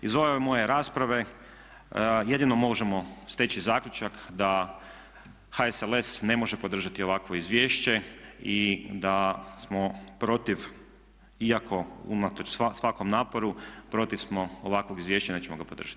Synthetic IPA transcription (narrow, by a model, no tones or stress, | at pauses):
izʋoʋeemo̞je̞ɾaːspɾaʋe̞ | je̞d̪ino̞mo̞ʒemo̞st̪et͡ɕizaːkʎʲut͡ʃakd̪a | haesele̞sne̞mo̞ʒepo̞d̪r̩ʒat̪io̞ʋakʋo̞izʋje̞ːʃt͡ɕe̞id̪asmo̞pɾo̞t̪iʋ | iakʰo̞ṵnat̪ot͡ʃssʋako̞mnaːpoɾupɾo̞t̪ifsmo̞oʋakʋo̞ɡizʋjeːʃt͡ɕaneːt͡ɕemoɡapo̞d̪r̩ʒ̥ḁt̪